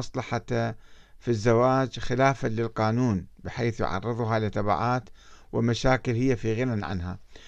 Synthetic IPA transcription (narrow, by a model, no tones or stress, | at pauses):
ɑsˤlɑħa | fizːawaːd͡ʒxɪlaːfalɪlqɑːnuːnbɪħeːθjʊ̰ʕɑ̰rˤːɨðˤɦalɪt̪ːaba̰ʕaːt̪ | wɪlmaʃaːkɪlhɪjːafiɣɪnanʕa̰nɦa̰